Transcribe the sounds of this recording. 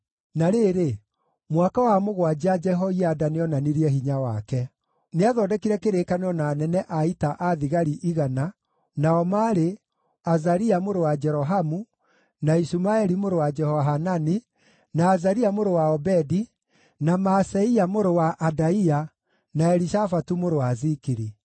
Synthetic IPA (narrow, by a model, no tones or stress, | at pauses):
naɾeɾe | mwakawamoɣwad͡ʒad͡ʒɛɦɔiadaneɔnaniɾiɛɦiɲawakɛ | neaðɔdɛkiɾɛkeɾekaneɔnaːnɛnɛʔaitaʔaðiɣaɾiʔiɣana | naɔmaɾe | azaɾiamoɾowad͡ʒɛɾɔɦamu | naisumaɛɾimoɾowad͡ʒɛhɔɦanani | naːzaɾiamoɾowaɔbɛdi | namasɛiamoɾowaʔːdaia | naɛɾiʃafatumoɾowazikiɾi